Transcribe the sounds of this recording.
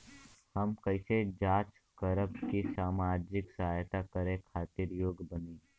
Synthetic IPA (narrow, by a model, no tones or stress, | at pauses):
hɐmkɐɪsed͡ʒaːt͡ʃ | kəɾəpkisaːmaːd͡ʒɪksɐɦaːjt̪akəɾẽkʰaːt̪ɪɾjoːɡbəniː